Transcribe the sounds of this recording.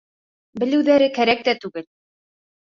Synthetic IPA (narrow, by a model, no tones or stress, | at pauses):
bɘ̆lɘ̆wðæɾɘkæɾæk̚t̪æt̪ʉɡɘl